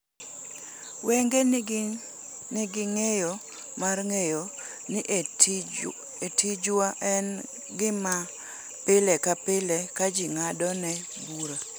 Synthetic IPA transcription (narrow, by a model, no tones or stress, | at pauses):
wɛŋɡe | nɪɡɪŋejo | marŋejo | nɪʔ | etid͡ʒwaʔɛn | ɡɪma | pɪlɛkapɪlɛkad͡ʒiŋadɔnɛ | buɾa